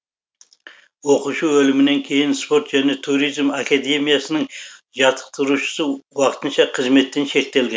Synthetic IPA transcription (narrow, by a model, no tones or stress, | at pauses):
woquʃuɵlɪmɪne̞ŋkʲʰe̞jɪnspo̞ɾt̪ʒæne̞t̪ʰuɾijzmakad̪e̞mijasənəŋ | ʒɑt̪ʰə̥q̚t̪əɾuʃə̥səwɑqə̥t̪ənʃɑqʰəzme̞t̪ːe̞nʃe̞k̚t̪e̞lɡʲen